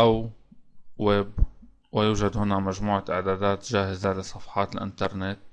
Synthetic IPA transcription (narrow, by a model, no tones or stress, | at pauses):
ʔaw | web | wɪjuːʒad̪hʊnamaʒmuːʕaʔɪʕd̪aːd̪aːt̪ʒaːhɪzalɪsˤːɑfħɑːt̪ɪlʔɪ̰nt̪ɑɾˤnet̪̚